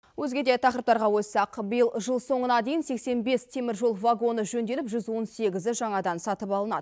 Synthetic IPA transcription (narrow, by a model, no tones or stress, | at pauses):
wɵzɡʲe̞d̪et̪ʰɑqɾəpt̪ɑɾʁɑwɵsɑqbəjəlˠʒəlˠso̞ɴənɑd̪e̞jɪnse̞kse̞nbe̞st̪ʰe̞mɪɾʒo̞lˠvaɡo̞nəʒɵnd̪e̞lɪpʒʏzwo̞nse̞ɡʲɪzɪʒɑɴɑd̪ɑnsɑt̪əpɑlˠənɑ̰d̪ə